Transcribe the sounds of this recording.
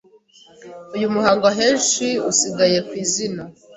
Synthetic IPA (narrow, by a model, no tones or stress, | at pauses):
ujumuhaːŋɡaɦeːnʃiusiɡaje̞kwiːzina